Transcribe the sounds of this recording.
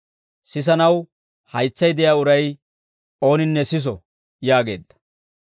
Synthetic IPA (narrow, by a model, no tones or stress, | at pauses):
sɪs̬ɐnɐw | hɐjt͡sːɐjd̪ɛjaːʊɾɐj | o̞ːnɪnːɛsɪs̬ɔ | jaːɡe̞̰ːd̪ːɐ̥